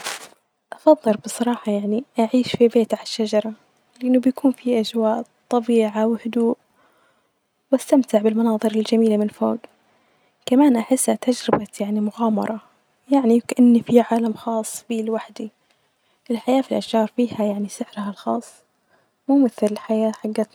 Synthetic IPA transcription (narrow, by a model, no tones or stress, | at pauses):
ʔɑfɑðˤːɨlbɨsˤːɑɾˤɑːħɑjaʕniʔaʕiːʃfibeːt̪ʕaaʃːad͡ʒɑɾˤɑ | lɪʔɪnːʊbjakuːnfiʔad͡ʒwaːʔt̪ˤɑbiːʕawhʊd̪uːʔ | wʔast̪amt̪ɪʕbɪlmɑnɑːðˤɨɾɪld͡ʒamiːlamɪnfo̰ːɡ | kamaːnʔaħɪsːat̪ad͡ʒɾɪbajaʕnimʊɣaːmɑ̰ɾˤɑ | jaʕnikaʔɪnːifiʕaːlamxɑːsˤːbiːlwaħd̪i | ʔɪlħajaːfilʔaʃʒɑːɾˤfiːhajaʕnisɪʕɾhalxɑ̰ːsˤː | muːmɪθlɪlħajaːħaɡːaːt̪